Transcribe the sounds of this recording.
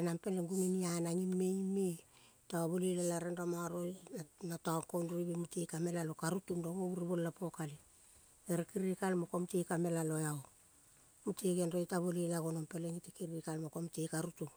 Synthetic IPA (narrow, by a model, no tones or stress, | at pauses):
enampe̞leŋɡuŋinianaŋimeime | taaβolilalaɾenɾamaɾojanataoŋkonɾojbemutejkame̞lalokaɾutumdoŋouɾiβolːapo̞kali | eɾekiɾikalmokomtejkame̞lalojao | muteɡenɾo̞jtaβolilaɡonompe̞leŋitekiɾiikalmokomtejkaɾutuŋ